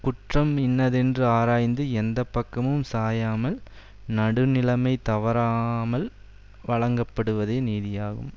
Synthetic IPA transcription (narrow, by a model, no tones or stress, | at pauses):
kʊʈrɐmɪnːɐðɛndrɯaːɾaːjnd̪ɯɛnd̪ɐpːɐkːɐmɯmsaːjaːmɐl | nɐɽɯnɪlɐmɐɪt̪ɐʋɐɾaːmɐl | ʋɐɭɐŋɡɐpːɐɽɯʋɐðeːniːðɪjaːɣɯ̰m